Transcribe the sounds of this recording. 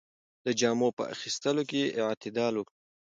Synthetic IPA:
d̪əd͡ʒɑmopə̰ʔa̰xist̪əlokeʔɪʕt̪ɪd̪ɑluk

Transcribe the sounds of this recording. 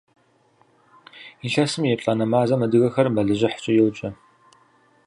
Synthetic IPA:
iɬɐsɨmjɛpʼɬʼɐnɐmaːzɐmɐdɨɣɐxɐrmɐɮɨʑɐħə̥t͡ʃʼɐjɛwt͡ʃʼɐ

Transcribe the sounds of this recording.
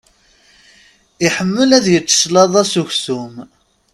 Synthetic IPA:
iħəmːəlæðjət͡sːə̥slɑðˤɑsuʝsum

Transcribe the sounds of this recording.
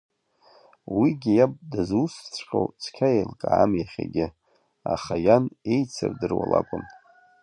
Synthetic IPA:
wiɡʲɪjab̚dazwust͡sʷʰχʲʼo̰wt͡sʰkʲʰajelkʼaːmjaχʲaɡʲɪ | a̰χajane̞jt͡sʰardɨrwa̰lakʷʼʊn

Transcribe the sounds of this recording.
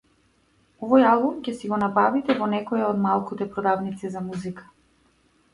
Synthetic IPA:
ɔvɔjalˠbumcʲɛsiɡɔnabavit̪ɛvɔnɛkɔjɛɔd̪malˠkut̪ɛpɾɔd̪avnit̪sizamuzikḁ

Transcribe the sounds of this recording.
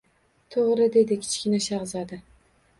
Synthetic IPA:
t̪ʰoʁɾɪd̪e̞d̪ɪkʲʰɪ̥t͡ʃkʲɪnaʃɑʁzad̪ɪ

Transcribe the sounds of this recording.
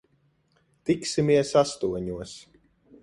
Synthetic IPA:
t̪iksimiɛsast̪uɔɲuɔs

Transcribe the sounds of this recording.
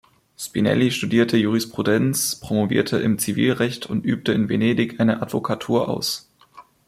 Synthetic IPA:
spinɛ̰liʃtudiːɐtʰəjuʁ̞ɪspʁ̥udɛnt͡spʁ̥omovḭːɐtʰəʔɪ̰mt͡sivḭːlʁɛçtʰʊntʔy̰ːp̚təɪnveneːdɪkʔaɪnəʔatv̥okʰatʰuːɐʔa̰ʊs

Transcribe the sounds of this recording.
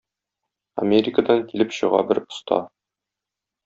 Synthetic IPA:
ɐ̰mʲeɾʲɪkəd̪ɑŋkilɘpɕɤ̆ʁɑ̰bɘɾŏ̥st̪ʰɑ̰

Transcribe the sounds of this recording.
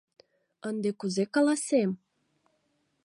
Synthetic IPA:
ənd̪ekuzekɑlɑsem

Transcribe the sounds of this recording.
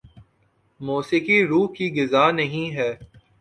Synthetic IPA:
moːsɪkiɾuːkiɡɪzaːnɐɦĩɦɛː

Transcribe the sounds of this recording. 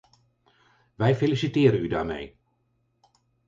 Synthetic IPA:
ʋɛjfelisitɪːɾənyda̰ːɹmḛj

